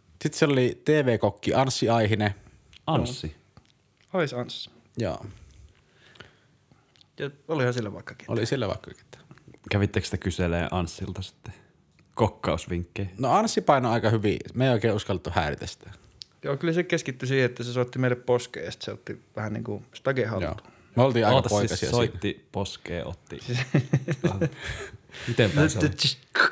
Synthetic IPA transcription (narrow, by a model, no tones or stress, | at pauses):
sit̪seolit̪eːʋeːkokːiʔɑnsːiɑihine | ɑnsːi | oisɑnsː | jɑ̰ː | jɑolihɑsilːæʋɑˑikːɑ̥ke̥tʔo̰lisilːæʋɑ̰ˑikːɑke̥t̪ːæ̥kæʋit̪ːeksi̥t̪ækyselḛːʔɑnsːilt̪ɑsi̥t̪ːe̥ | kokːɑˑusʋiŋkːeinoɑnsːipɑinoɑˑikɑhyʋḭmeˑioˑikeˑːuskɑlt̪ːuhæːrit̪æsi̥t̪æ | joːkylːæsekeskit̪ːysiːheet̪ːæsesoˑt̪ːimeilːepposkḛˑːst̪seo̰t̪ːiʋæhænnḭːŋkust̪ɑɡehɑlo̰ːu̥ | meolt̪iːʔɑˑiɑpoˑiɑsiɑ̰sst̪ːiposkḛːʔo̰t̪ːḭ | mit̪empæikː